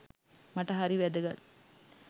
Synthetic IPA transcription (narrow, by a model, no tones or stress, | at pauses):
maʈɐɦaɾiʋæd̪əɡɐt̪